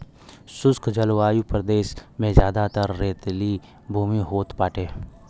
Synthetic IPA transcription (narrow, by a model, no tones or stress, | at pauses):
sʊskʰd͡ʒəlʋaːjupɾəd̪eːʃmẽzjaːd̪at̪əɾːeːt̪li | bʱuːmiɦoːt̪paːʈeː